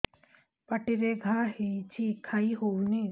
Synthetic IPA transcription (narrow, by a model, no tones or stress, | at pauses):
pɐʈɪɾeɡʱaːɦit͡ʃʰikʰaːiɦoːniː